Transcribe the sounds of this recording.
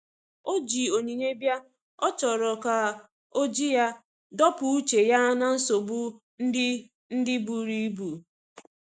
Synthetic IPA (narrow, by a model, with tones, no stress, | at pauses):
o˦d͡ʒi˨o˨ɲe˨ɲe˦bja˦ | ɔ˦t͡ʃɔ˨ɾɔ˨ka˨ | o˦d͡ʒi˦ja˦ | dɔ˦pʊ˨u˦t͡ʃe˨ja˦na˨n̩˦so˨bu˦ | n̩˦ɪ˦ | n̩˦dɪ˦bu˨ɾi˦bu˨